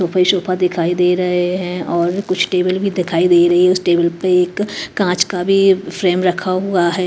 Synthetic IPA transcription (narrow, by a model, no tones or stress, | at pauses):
oːpʰaiʃoːpʰad̪ɪkʰaːid̪eːɾɐɦeɦɛ̃ɔːɾkʊt͡ʃʰʈeːbəlbʱid̪ɪkʰaːid̪eːiɾɐɦiɦɛ̃ʊsʈeːbəlpeeːkːãːt͡ʃkabʱifɾeːmɾɐkʰaɦuaɦɛː